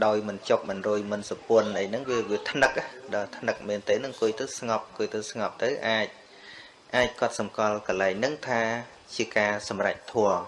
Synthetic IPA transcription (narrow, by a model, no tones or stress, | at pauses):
ɗaɔjmɨnt͡ɕok̚ɓɑnroːjmɨnsɑpʊənʔəjnɨŋʋiəʋiət̪ʰnɨk̚ʔaɗɑːt̪ʰnɨk̚meːnt̪eːnɨŋkʊəjt̪ɨwsŋɑp̚kuəjt̪əwsŋɑp̚t̪ɨwʔaːc̚ | ʔaːc̚kŏət̪̚sɑmkɑlkɑlaɛŋnɨŋt̪ʰaː | t͡ɕiəkaːsɑmra̰c̚t̪ʰoəŋ